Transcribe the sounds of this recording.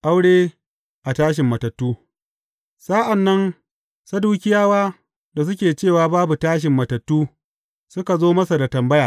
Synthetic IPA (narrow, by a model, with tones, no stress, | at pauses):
ʔa˦wɽeː˦ | ʔa˨taː˦ʃɪ˨mːɐ˨tɐ˨tːuː˦ | saː˦ʔa˨nːɐ˦n | sɐ˦duː˦kʲɪ˦jaː˦waː˦ | da˨s̬ʊ˦kʲeː˨t͡ʃeː˦˨waː˨baː˦bu˨taː˦ʃ̬ɪ˨mːɐ˨tɐ˨tːuː˦ | sʊ˦ka˨zoː˦mɐ˦sa˨da˨tɐ˨mbɐ˦jaː˨